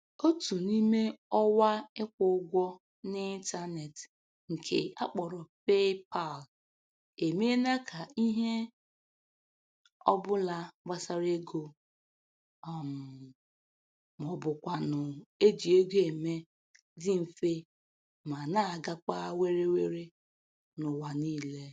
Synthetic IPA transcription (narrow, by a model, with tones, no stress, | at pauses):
o˦tu˨ni˦me˦ɔ˦wa˦ɪ˦kʷʊ˦ɡʷɔ˦ | nɪ˦i˦n˦ta˦ne˨t | ŋ̩˨kʰe˨a̰˦k͡pɔ˨ɾɔ˨pe˦pa˦˨l | e˨me˦na˦kʰa˨i˦ɦe˦ | ɔ̰˦bʊ˦la˦ba˦sa˦ɾe˦ɡo˨ | m˨ | mɔ˨bʊ˨kʷa˨nʊ˨e˦d͡ʒi˨e˦ɡe˨me˦ | dɪ˦m̩˨fe˦ | ma˨na˦a˨ɡa˦ka˦we˦ɾe˦we˦ɾe˦ | nʊ˨wa˨niː˦˨le˦